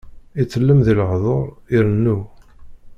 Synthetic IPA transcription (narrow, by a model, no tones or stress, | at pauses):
it͡sːəlːəmðilʕðˤoɾˤiɾənːu